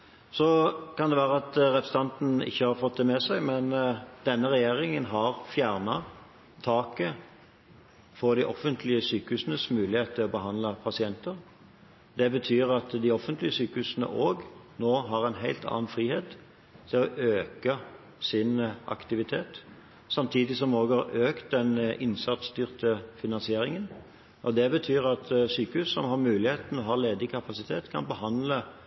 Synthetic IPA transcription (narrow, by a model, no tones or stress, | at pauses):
sɔkɑnd̪ɛʋæːʁəɑt̪ɾɛpɾəsət̪ɑnt̪n̩ɪ̰çːəhɑɾfɔt̪̚d̪ɛmɛsæɪmɛnd̪̥ɛnːəʁɛjeːɾɪŋənɦɑʁfjæːʁnɑ | t̪ʰɑːkə | fɔʁd̪ɪʔɔfənt̪ʰlɪəsyːkəhʉːsənəsmʉːlɪheːt̪ʰɪɔbəɦɑnd̪lɑpʰɑsɪɛnt̪əʁ | d̪ɛbət̪ʰyːʁɑt̪d̪ɪɔfənt̪lɪəsyːkəhʉːsnə̰ʔoːɡnoːɦɑʁɛnɦæɪlt̪ʰɑ̰ːɑnfʁiːheːt̪ | t̪ʰɪlɔʔøːkə | sɪnʔɑ̰kt̪ɪʋɪt̪ʰeːt̪ | sɑmt̪ʰiːd̪ɪsɔmoːɡɑʁøːkt̪̚d̪ɛnʔɪnsɑt̪sd̪yʁt̪əfɪnɑnsɪeːɾɪŋən | ɔd̪ɛbət̪ʰyːʁɑt̪syːkəhʉːssɔmhɑʁmʉːlɪheːt̪n̩ɔɦɑʁleːd̪ɪkʰɑpɑsɪt̪ʰeːt̪kʰɑ̰nbəhɑnd̪lə